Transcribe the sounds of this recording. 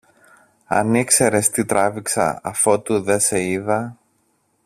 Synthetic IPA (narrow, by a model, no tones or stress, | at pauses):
ɐ̰nikse̞ɾe̞st̪it̪ɾʔɐviksɐ̰ɐfo̞t̪uðe̞se̞iðɐ